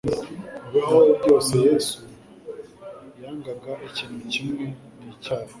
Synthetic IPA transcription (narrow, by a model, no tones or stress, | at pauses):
βaɦojuɟo̞ːsejeːsu | jaːŋɡaɡaʔiciːn̥hucimŋe | nit͡ʃaːɾe